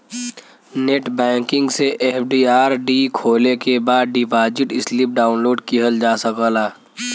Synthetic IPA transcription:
neːʈbɛ̃ːŋkɪ̃ŋɡseʔeːp̚ʰɖiːaːɾɖikʰoːlekebaːd̪ɖiːbaːd͡ʒɪʈɪslip̚ɖaːʊnloːɖkiɦəld͡ʒaːsəkəlaː

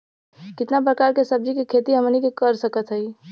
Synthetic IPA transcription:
kɪt̪nap̬ɾəkaɾkesəb̚d͡ʒikekʰet̪iɦəmnikekəɾsəkət̪ɦəi

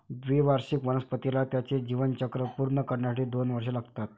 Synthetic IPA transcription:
d̪ʋiʋaɾɕikʋənəspət̪ilat̪jat͡sed͡ʑiʋənt͡ɕəkɾəpuɾɳəkəɾɳjasaʈiːd̪onʋəɾʂelaɡt̪at̪̚

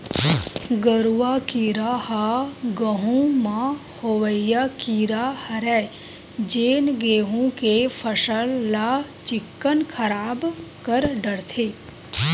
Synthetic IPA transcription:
ɡəɾuʋakiːɾahaɡəɦũmãhoʋəjakiːɾahɐɾɛ | d͡ʒeːnɡeːɦũkefʰəsəlːa | t͡ʃɪkːənkʰəɾaːbkəɾɖəɽt̪ʰeː

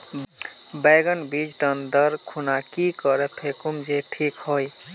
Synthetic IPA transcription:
beɡənbid͡ʒʈənd̪əɾkʰunakikəɾepʰekumd͡ʒeʈʰikɦoj

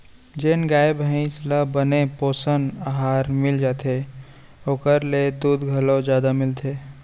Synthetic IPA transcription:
d͡ʒeːnɡaːebĩslabənepoːsənaɦaːɾmɪld͡ʒaːt̪ʰe | oːkəɾled̪uːd̪ɡʱəlõd͡ʒjaːd̪amɪlt̪ʰeː

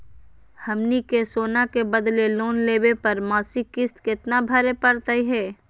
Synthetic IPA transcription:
hɐmnikesoːnakebɐd̪leloːnleːbepɐɾmaːsikɪst̪kɪt̪nabʱɐɾepɐɾt̪əiɦɛː

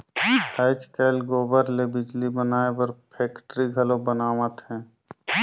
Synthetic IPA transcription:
haɪt͡ʃkeːlɡoːbəɾlebɪd͡ʒlibənaːepəɾpʰeːkʈɾiɡʱəlõbənaːmət̪ɦɛ̃ː

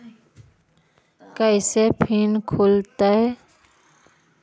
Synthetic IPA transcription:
kəɪseːpʰiːnkʰoːlt̪aːɦɛː

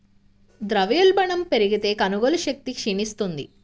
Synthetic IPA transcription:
d̪ɾɐʋjɐlbɐɳɐmpe̞ɾiɡit̪e̞ːkɐnuɡolɐʃɐk̚t̪ikʂinist̪und̪ḭ

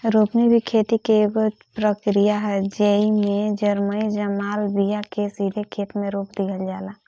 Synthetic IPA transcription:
ɾoːpnibʱikʰeːt̪ikeeɡo | pɾəkɾijaɦɛd͡ʒeimẽd͡ʒəɾmənid͡ʒəmaːlbijakesiːd̪ʱekʰeːt̪mẽɾoːpd̪iɦəld͡ʒaːla

